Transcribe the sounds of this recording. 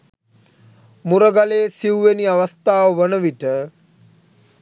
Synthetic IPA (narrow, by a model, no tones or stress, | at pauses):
muɾəɡalesiuʋeniaʋəst̪aːʋəʋənəʋiʈə